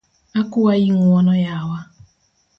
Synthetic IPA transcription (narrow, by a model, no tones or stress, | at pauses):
akʊwajiŋʷɔnɔjaawa